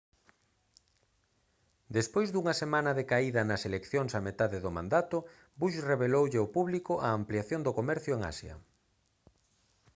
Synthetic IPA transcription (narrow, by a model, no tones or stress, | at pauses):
d̪espojzðuŋɐsemãnɐðekaiðɐnɐselekθjoŋsɐmet̪aðeðʊmã̰nd̪at̪ʊ | buʃreβelowʎeopuβlikʊʔɐːmpliaθjond̪okomɛɾθjʊeŋa̰sjɐ̰